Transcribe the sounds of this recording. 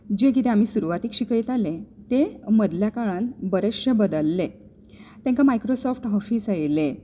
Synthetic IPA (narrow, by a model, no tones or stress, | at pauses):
d͡ʑekit̪ẽam̤iːsuɾuʋat̪iːkɕikiːt̪alẽt̪eməd̪ljakaɭãnbəɾeʂɕebəd̪əlːe | t̪ãŋkamajkɾosɔfʰʈɦɔfiːsajile